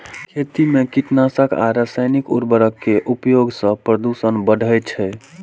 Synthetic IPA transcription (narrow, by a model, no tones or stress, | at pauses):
kʰet̪imekiʈnasəka̰ɾəsəjnikṵɾbəɾəkːeʔupjoɡsə̃pɾəd̪usənbəɖʱəjt͡ʃʰɛ